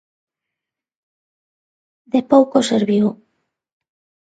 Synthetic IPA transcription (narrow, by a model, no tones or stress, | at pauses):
d̪epowkoseɾβjo